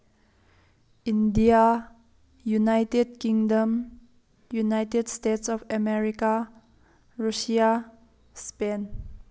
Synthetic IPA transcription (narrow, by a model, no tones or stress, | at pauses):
ĩndia | junajtedkĩŋdə̃m | junaɪtedstetsɔfəmɛɹika | ɹuʃia | spẽn